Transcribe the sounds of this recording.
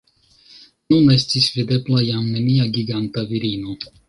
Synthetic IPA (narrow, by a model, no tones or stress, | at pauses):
nune̞stisvid̪e̞blajamne̞niaɡiɡant̪aviɾino̞